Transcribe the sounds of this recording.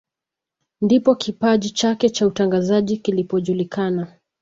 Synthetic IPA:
ndipɔkipaʄit͡ʃakɛt͡ʃautaŋɡazaʄikilipɔʄulikana

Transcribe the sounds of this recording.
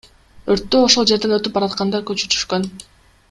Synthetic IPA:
øɾt̪ːøo̞ʃo̞lˠd͡ʒe̞ɾd̪enøt̪yp̚bɑɾɑt̪qɑnd̪ɑkøt͡ʃy̥t̪ʰy̥ʃkøn

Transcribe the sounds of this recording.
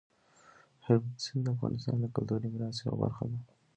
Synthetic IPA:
heb̪sind̪əafɣɑ̰nʔɪst̪ɑ̰nd̪əkʊlt̪uɾimɾɑsewa̰ba̰ɾxad̪a

